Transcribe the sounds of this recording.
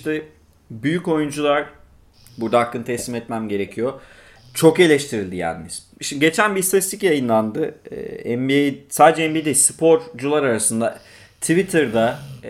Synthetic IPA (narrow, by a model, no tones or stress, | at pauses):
t̪ɛ | byjyco̞jund͡ʒulˠaɾ̥ | buɾd̪aakːɯnt̪ʰɛsːʲimɛt̪mæmɟe̞ɾe̞cʰijo̞ | t͡ʃʰo̞ke̞lʲɛʃt̪ʰiɾilʲd̪ijæ̰nimiz | ʃimɟe̞t͡ʃʰænbist̪ʰat̪ist̪ʰicjajɯnlˠand̪ɯ̰ɛmbisaːd̪ed͡ʒɛɛmbid̪ispʰo̞ɾd͡ʒulˠaɾaɾasɯnd̪a | t̪ʰivit̪ʰɯɾd̪a